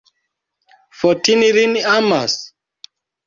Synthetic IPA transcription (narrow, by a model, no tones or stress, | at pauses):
fɔtiniɾiniamas